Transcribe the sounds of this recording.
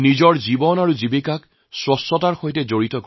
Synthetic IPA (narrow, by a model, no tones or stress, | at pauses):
nizɔɹzibɔnaɹuzibekak | swɔsɔtaɹxojtɛzoɹitɔk